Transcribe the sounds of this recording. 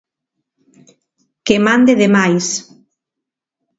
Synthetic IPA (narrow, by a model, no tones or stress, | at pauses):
kemand̪eðemajs